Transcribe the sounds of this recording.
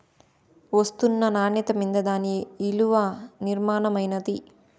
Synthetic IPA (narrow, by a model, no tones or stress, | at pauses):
ʋɐst̪unːɐnaːnɐt̪ɐmind̪ɐd̪aːniːluʋɐniɾmaːnɐmɐjnɐd̪i